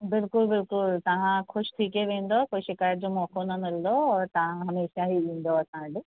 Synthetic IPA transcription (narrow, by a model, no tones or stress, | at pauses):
bɪlkʊlbɪlkʊlt̪ɐʋ̤ãxʊʃt̪ʰiːkeʋẽːn̆d̪okoːiʃɪkaːjət̪̚d͡ʑomɔːkonɐnɐld̪oɔːɾt̪ɐʋ̤ãɦɐmeːʃaɦiĩːn̆d̪oɐsãːd͡ʑɪ